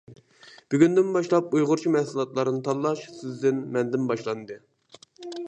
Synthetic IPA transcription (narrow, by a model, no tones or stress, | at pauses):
b̥yɡʲynd̪ɪnbɑʃlˠɑp̚ujʁʊɾt͡ʃʰimɛhsɨlˠɑt̪lˠɑɾɨnɨt̪ʰɑlːˠɑʃsɪzd̪ɪnmɛnd̪ɪnbɑʃlˠɑnd̪ɨ